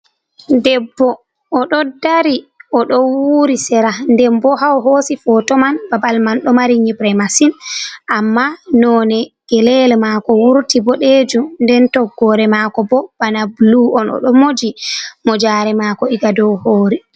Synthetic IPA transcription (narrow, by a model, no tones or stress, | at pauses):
dɛbːɔː | ɗɔdaɾiʔɔɗɔwuːɾisɛɾandɛmbɔɦawɦoːsifɔtɔmanbabalmanɗɔmaɾiɲibɾɛmasinʔamːanɔnɛɡ̥ɛlɛlɛmaːkɔwuɾtibɔɗed͡ʒundɛntɔɡːɔɾɛmaːkɔbɔb̥anabluɔnɔ̰ɗɔmod͡ʒimɔd͡ʒaːɾɛmaːkɔiɡadɔwhoːɾi